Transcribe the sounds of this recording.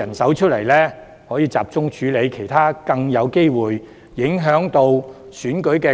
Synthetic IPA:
ɐ˨˩nsɐ˨˥wt͡ʃʰɵ˥t̚lɐ˨˩jlɛː˥ | hɔː˨˥jiː˨˧t͡sa̰ː˨p̚t͡sʊ˥ŋt͡ʃʰyː˨˥le˨˧jkʰe˨˩jt̪ʰaː˥kɐ˧ŋjɐ˨˧wke˥jwuː˨jː | ɪ˨˥ŋɦœː˨˥ŋt̪o˧w | syː˨˥nkɵ˨˥ɥkɛː˧

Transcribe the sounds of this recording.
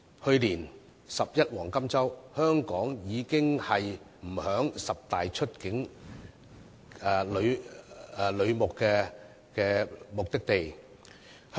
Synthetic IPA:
hɵ˧ɥliː˨˩n | sɐ˨p̚jɐ˥t̚wɔː˨˩ŋkɐ˥mt͡sɐ˥whœː˥ŋkɔː˨˥ŋjiː˨˧kɪ˥ŋhɐ˨j | m̩˨˩hœː˨˥ŋsɐ˨p̚t̪aː˨jt͡ʃʰɵ˥t̚kɪ˨˥ŋ | ɛ˨˧lɵ˨˧ɥ | lɵ˨˧ɥmʊ˨kːɛː˧ | kɛː˧mʊ˨k̚t̪ɪ˥k̚t̪e˨j | h

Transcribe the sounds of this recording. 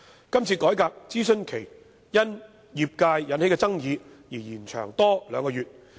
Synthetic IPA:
kɐ˥mt͡sʰiː˧kɔː˨˥jkaː˧k̚t͡siː˥sɵ˥nkʰe˨˩j | jɐ˥n | jiː˨˧p̚kaː˧jːɐ˨˧˥nhe˨˥kɛː˧t͡sɐ˥ŋjiː˨˧jiː˨˩jiː˨˩nt͡ʃʰœ̰ː˨˩ŋt̪ɔː˥lœː˨˧ŋkɔː˧jyː˨t̚

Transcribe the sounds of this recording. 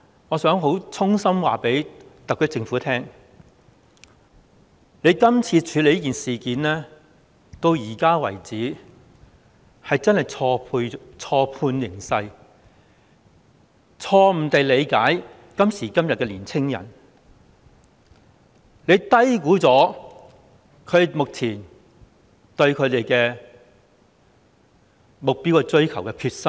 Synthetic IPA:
ŋɔː˨˧sœː˨˥ŋɦo˨˥wt͡sʰʊ˥ŋsɐ˥mwaː˨pe˨˥jt̪ɐ˨kʰːɵ˥t͡sɪ˧ŋfuː˨˥t̪ʰɛː˥ŋ | le˨˧jkɐ˥mt͡sʰiː˧t͡ʃʰyː˨˧le˨˧jkiː˨nsiː˨kiː˨nlɛː˥ | t̪o˧wjiː˨˩kaː˥wɐ˨˩jt͡siː˨˥ | hɐ˨jt͡sɐ˥nhɐ˨˩jt͡sʰɔː˧pʰu˧t͡sʰɔː˧pʰuː˧njɪ˨˩ŋsɐ˧j | t͡sʰɔː˧m̩˨˩t̪e˨jle˨˧jkaː˨˥j | kɐ˥msiː˨˩kɐ˥mjɐ˨t̚kːɛː˧liː˨˩nt͡sʰɪ˥ŋjɐ̰˨˩n | le˨˧jt̪ɐ˥jkuː˨˥t͡sɔː˨˥ | kʰɵ˨˧˨mʊ˨k̚t͡sʰiː˨˩n | t̪ɵ˧ɥkʰɵ˨˧t̪e˨jkɛː˧ | mʊ˨k̚piː˥wkɛ˧t͡sɵ˥ɥkʰɐ˨˩wkɛ˧kʰyː˧t̚sɐ˥m

